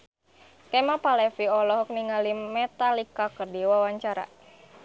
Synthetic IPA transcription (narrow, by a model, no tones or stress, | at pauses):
kɛmapalɛfiɔlɔɦɔk̚niŋalimɛt̪alikakərdiwawaɲt͡ʃaɾa̰